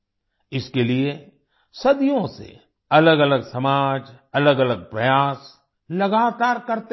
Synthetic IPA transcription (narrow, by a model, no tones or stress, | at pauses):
ɪskelie | sɐd̪ijõsḛ | ɐləɡɐləɡsɐmaːd͡ʒɐləɡɐləɡ̚pɾɐjaːs | lɐɡaːt̪aːɾkɐɾt̪